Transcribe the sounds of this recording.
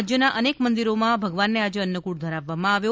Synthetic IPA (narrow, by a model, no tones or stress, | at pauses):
d͡ʒjənaʔənekkmənd̪iɾomãbʱəɡʋanːead͡ʒeənːəkuɽd̪ʱəɾaʋːamãaʋjo